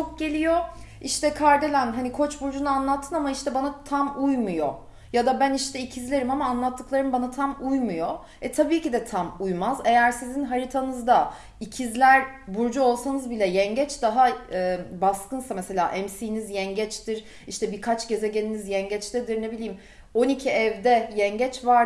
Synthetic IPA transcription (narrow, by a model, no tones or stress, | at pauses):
t͡ʃʰok̚ɟe̞lʲijo̞ | iʃt̪ʰɛkʰaɾd̪e̞lʲænɦanikʰo̞t͡ʃbuɾd͡ʒunɯanlˠat̪ʰːɯnamaiʃt̪ʰɛbanat̪ʰamujmujo̰ | jad̪abæniʃt̪ʰɛicʰizlʲe̞ɾimamaːnlˠat̪ʰːɯklˠaɾɯmbanat̪ʰamujmujo | ɛt̪ʰabiːcid̪ɛt̪ʰamujmaze̞jæɾsizinɦaɾit̪ʰanɯzd̪a | icʰizlʲæɾbuɾd͡ʒuo̞lˠsanɯzbilʲɛjɛɲɟɛt͡ʃd̪aɦaɛːbaskɯnsamese̞lʲa̰ːʔɛmsiːnizjɛɲɟɛt͡ʃt̪ʰiɾ | iʃt̪ʰɛbiɾkʰat͡ʃɟe̞zɛɟelʲinizjɛɲɟɛt͡ʃt̪ʰɛd̪iɾne̞bilʲiːim | o̞nicʰiɛvd̪ɛjɛɲɟɛt͡ʃvaɾ